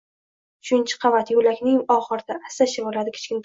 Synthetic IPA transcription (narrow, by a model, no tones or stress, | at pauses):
ʊʃʊnt͡ʃʰɪ̥qʰɑvat̪ʰjolakʲnɪŋɒχɨɾd̪aʔasaʃɪbolad̪ɪkʰʲe̥t͡ʃkʲɪnt̪